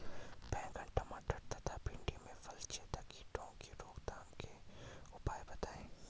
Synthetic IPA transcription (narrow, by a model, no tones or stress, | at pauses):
bɛ̃ːɡəɳʈɐmaɖɐɾt̪at̪ʰapɪɳɖimẽfɐlt͡ʃet̪akiʈõkiɾoːkd̪aːmkeʊpaːjbɐt̪aːẽː